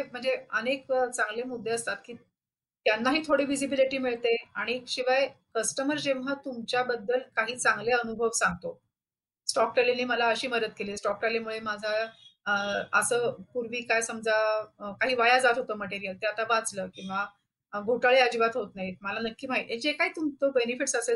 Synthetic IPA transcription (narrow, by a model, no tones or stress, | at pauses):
em̤əɳd͡zeənekt͡sãŋɡlemud̪ʱːeəst̪at̪̚kiː | t̪janːaɦiːt̪ʰoɽiːʋid͡zibiliʈiːmiɭt̪eaɽ̃iekɕiʋajkəsʈəməɾd͡ʑeʋɦat̪umt͡ɕjabəd̪ːəlkaɦiːt͡saŋɡleənubʱəʋsãŋɡ̚t̪o | sʈɔk̚ʈelaniːməlaəɕiːməɾət̪̚keliːsʈɔk̚ʈelamuɭemad͡zʱa | əsəːpuɾʋiːkajsəmd͡zakaɦiːʋajad͡zat̪ɦot̪əːməʈeɾijəlt̪eat̪aʋat͡sləːkĩw̃ʋa | ɡʱoʈaɭead͡ʑibat̪ɦot̪najiməlanəkːiːmaiʔed͡ʑekaɦiːt̪umt͡sobenifiʈsəse